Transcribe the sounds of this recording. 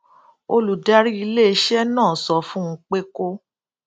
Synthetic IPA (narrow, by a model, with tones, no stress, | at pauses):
o˧lu˨da˦ɾi˦i˧le˦e˧ʃɛ˦nãː˦˨sɔ˧fũ˦ŋ̩˦k͡pe˦ko˦